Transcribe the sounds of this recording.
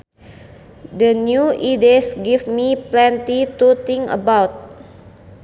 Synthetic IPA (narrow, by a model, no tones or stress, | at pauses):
dənjuʔidesɡifmiplɛnt̪it̪ut̪iŋə̰bawt̪̚